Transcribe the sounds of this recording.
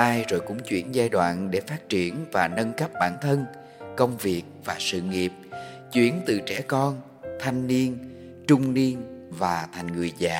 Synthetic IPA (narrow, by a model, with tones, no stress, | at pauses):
aː˧jzo˨˩jkʊ̰˧˥ŋ͡mt͡ɕwḭ˧˩ənzaː˧jɗwa̰ː˧˨nɗe˧˩faː˦˥t̚t͡ɕi˧˩ənvaː˨˩nə˧nkə˦˥p̚ɓaː˧˩nt̪ʰə˧n | kə˧wŋ͡mvi˨˩ək̚vaː˨˩sɨ̰˧˨ŋi˨˩əp̚ | t͡ɕwḭ˧˩ənt̪ɨ˧˨˩t͡ɕɛ˧˩kɔ˧n | t̪ʰa˧jŋ̟ni˧ən | t͡ɕʊ˧ŋ͡mni˧ənvaː˨˩t̪ʰa˨˩jŋ̟ŋɨ˨˩əjza̰ː˧˩